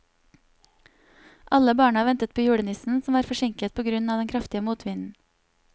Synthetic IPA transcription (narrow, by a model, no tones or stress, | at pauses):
ʔɑləbɑːɳəɑʋɛnt̪ət̪̚pʰoːjuːɽənʏsn̩sɔmʋɑːɾfɔʃɪŋkət̪̚pʰoːɡɾʉnɑːd̪ɛnkʰɾɑft̪ɪəmuːt̪ʰʋɪnn̩